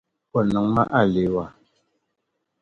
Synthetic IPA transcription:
pɔ˦˨nɔ˨˦ŋma̰˦ʔa˦˨le˨˦wa˦˨

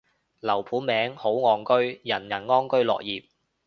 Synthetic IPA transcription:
lɐ˨˩wpʰuː˨˥nmɛː˨˥ŋho˨˥wŋɔː˨˧ŋkɵ˥ɥjɐ˨˩njɐ˨˩nŋɔː˥ŋkɵ˥ɥlɔ̰ː˨k̚jiː˨p̚

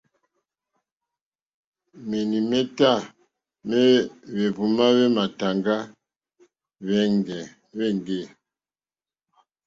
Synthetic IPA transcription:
me˨ni˨mɛ˦ta˦˨ | mɛ˦βe˨bu˨ma˦βe˦ma˨ta˨ŋɡa˦ | βɛ˦ŋɡɛ˨ | βɛ˦˨ŋɡe˦˨

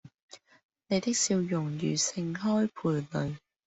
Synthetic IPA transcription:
ne˨˧jt̪ɪ˥k̚siː˧wjʊ˨˩ŋjy̰ː˨˩sɪ˧ŋɦɔː˥jpʰuː˨˩jlɵ˨ɥ

